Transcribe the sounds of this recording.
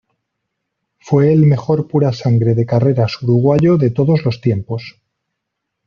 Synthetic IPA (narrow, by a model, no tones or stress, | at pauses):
fwe̞ːlme̞xo̞ɾpuɾasaŋɡɾe̞ðe̞kare̞ɾasuɾuɣ̞waʝo̞ðe̞t̪o̞ðo̞zlo̞st̪je̞mpo̞s